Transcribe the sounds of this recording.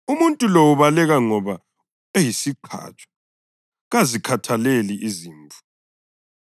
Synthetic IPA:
umuntʼulowuβalɛɣaŋɔβa | ejisiǃʰa̰ːt͡ʃʼḁ | ɣazikʰatʰaleliʔiziːɱvu̥

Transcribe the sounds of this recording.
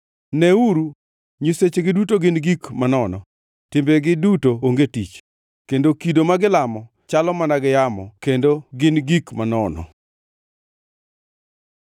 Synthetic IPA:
nɛuɾu | ɲiset͡ʃeɡɪdutoɡɪnɡikmanɔnɔ̰ | tɪmbeɡɪdutooŋɡetit͡ʃ | kendokidomaɡɪlamɔ | t͡ʃalɔmanaɡɪjamɔkendoɡɪnɡikmanɔnɔ̰

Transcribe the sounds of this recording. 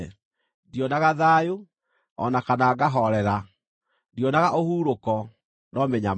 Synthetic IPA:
ndjɔnaɣaðaːjo | ɔ̰nakanaːɡaɦɔɾɛɾa | djɔnaɣaʔohuːɾokɔ | nɔmɛɲam

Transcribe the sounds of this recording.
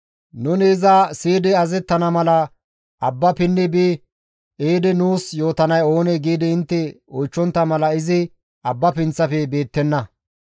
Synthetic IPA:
nʊnɪːzasiːd̪ɪɐzɛt̪ːɐnɐmɐlɐ | ʔɐbːɐpɪnːɪbɪ | ʔeːd̪ɪnuːsjo̞ːt̪ɐnɐjo̞ːnɛɡiːd̪ɪɪnt̪ːɛɔjt͡ʃːɔnt̪ːɐmɐlɐɪzɪ | ɐbːɐpɪnt͡sːɐfɛbe̞ːt̪ːɛnːɐ

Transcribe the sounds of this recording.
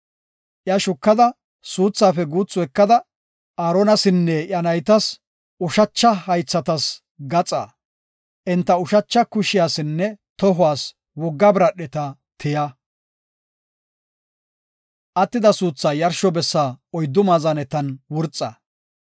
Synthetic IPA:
ʔjɐʃʊkːɐd̪ɐ | suːt͡sːaːfɛɡuːt͡sːʊɛkːɐd̪ɐ | aːɾɔnɐsɪnːɛʔjɐnɐjt̪ɐs | ʊʃɐt͡ʃːɐhɐjt͡sːɐt̪ɐs | ɡɐt͡sʼa̰ː | ʔɪnt̪ːɐʊʃɐt͡ʃːɐkʊʃɪjaːsɪnːɛt̪ɔɦʊwaːs | wɔɡːɐbɪɾɐɗɛt̪ɐt̪ʰɪjɐ | ʔɐt̪ːɪd̪ɐsuːt͡sːaːjɐɾʃɔbɛsːaːɔjd̪ːʊmaːzɐnɛt̪ɐnwʊɾt͡sʼːɐ̰

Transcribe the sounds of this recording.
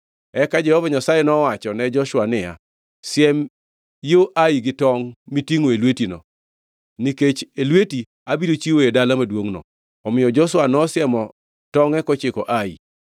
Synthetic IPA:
ɛkad͡ʒɛhɔvaɲasajɛnɔwat͡ʃɔnɛd͡ʒɔʃwanɪja̰ | sjɛm | joʔaiɡɪtɔŋmitiŋoelwetinɔ̰ | niket͡ʃelweti | abidot͡ʃiwoedalamadwoŋnɔ̰ | ɔmɪjɔd͡ʒɔʃwanɔsjɛmɔ | tɔŋɛkɔt͡ʃɪkɔʔaḭ

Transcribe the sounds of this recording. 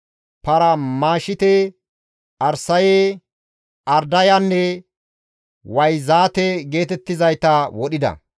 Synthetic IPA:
pɐɾɐmaːʃɪt̪ɛ | ʔɐɾsɐje | ɐɾd̪ɐjanːɛ | wɐjzaːt̪ɛɡe̞ːt̪ɛt̪ːɪzɐjt̪ɐwɔɗɪd̪ɐ̰

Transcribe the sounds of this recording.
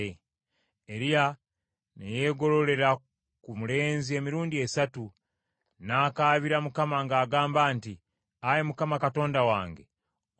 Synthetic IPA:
e | eɾija | neje̞ːɡo̞lo̞le̞ɾa | kumule̞ːnzie̞miɾuːndie̞satu | naːkaβiɾamukamaŋɡaːɡaːmbaːnti | ajemukamakato̞ːndawa̰ːŋɡe̞̰

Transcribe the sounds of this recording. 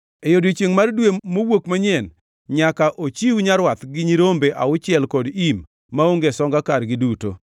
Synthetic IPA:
ejodit͡ʃeŋmardwemowokmaɲɛn | ɲakaʔot͡ʃiwuɲaɾwat̪ɡɪɲiɾombeʔaʊt͡ʃɪɛlkɔdimː | aoŋɡesɔŋɡakarɡɪduto̰

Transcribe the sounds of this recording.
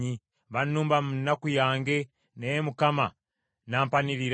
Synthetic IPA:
i | βanuːmbamunakujaːŋɡe | nejemukama | naːmpaniɾiɾ

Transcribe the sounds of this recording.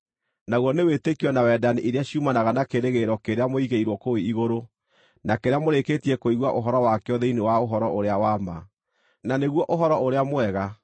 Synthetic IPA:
naɣwɔnewetekiɔnawɛdaniʔeɾeaɕiumanaɣanakeɾeɣeɾɔkeɾeamoiɣeiɾwɔkoiiɣoɾo | nakeɾeamoɾeketiɛkoiɣwaʔoɦɔɾɔwakɛɔðeinewaoɦɔɾɔoɾeawama | naneɣwɔʔoɦɔɾɔoɾeamoɛɣa

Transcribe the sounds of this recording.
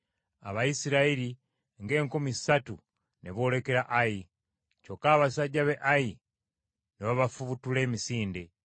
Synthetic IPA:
a̰βaisiɾaeli | ŋɡe̞ːŋkomi̥satu | neβo̞ːle̞ke̞ɾaʔaji | cokaːβasaɟaβeʔaji | neβaβafuβutule̞ːmisiːnde

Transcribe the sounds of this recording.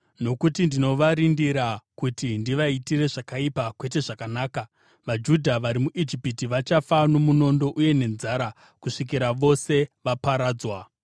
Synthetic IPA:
no̞kutindino̞ʋaɾindiɾakutindiʋaitire̞ʐakaipakwe̞t̬e̞ʐakanaːka | ʋad͡ʒudʱaʋaɾimuʔid͡ʒipitiʋat͡ʃafano̞muno̞ndo̞ʔuje̞ne̞nzaːɾa | kuʂik̬iɾaʋo̞se̞ʋapaɾaːd͡zwa

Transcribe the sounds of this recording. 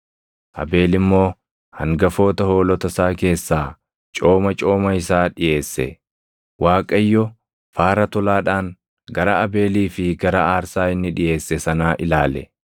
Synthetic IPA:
ʔɐ̰be̞ːlɪmːo̞ː | hɐ̰ŋɡɐfo̞ːt̪ɐho̞ːlɔt̪ɐsaːke̞ːsːaː | t͡ʃʼo̞ːmɐt͡ʃʼo̞ːmɐɪsaːᶑɪje̞ːsːɛ̰ | waːkʼɐjːɔ | faːɾɐt̪ɔlaːᶑaːŋ | ɡɐɾɐɐbe̞ːliːfɪɡɐɾɐaːɾsaːɪnːɪᶑɪje̞ːsːɛsɐnaːʔɪlaːlɛ̰

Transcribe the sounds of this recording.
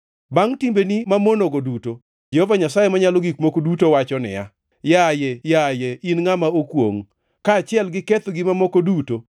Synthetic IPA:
baŋtimbenimamonoɡoduto | d͡ʒɛhovaɲasajemaɲaloɡikmokodutowat͡ʃɔnɪ̰ja̰ | jajejajeinŋamaokwo̰ŋ | kaːt͡ʃɪɛlɡɪket̪ɡimamokoduto

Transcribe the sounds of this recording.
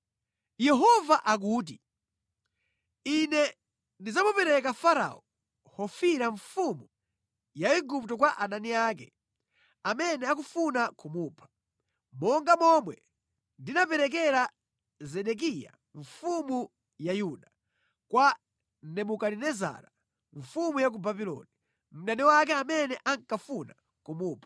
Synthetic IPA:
jɛɦɔvaʔak̬uːt̬i | inɛ | ndizamupɛɾɛkafaɾa̰ɔ | hɔfiɾaɱfumu | jaiɡup̚tɔkwaʔananiaːkɛ | amɛnɛakufunakumuːpʰḁ | mɔŋɡamɔmwɛ | ndinapɛɾɛk̬ɛɾa | zɛɗɛk̬ija̰ | ɱfumu | jajuɗa | kwa | nɛmukaɾinɛza̰ɾa | ɱ̩fumujak̬ubabilɔ̰ni | m̩ɗaniwak̬ɛamɛnɛʔaŋkafuna | kumuːpʰḁ

